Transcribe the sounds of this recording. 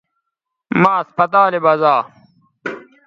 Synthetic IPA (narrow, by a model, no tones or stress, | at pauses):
maːɐspɐt̪aːlebɐzaː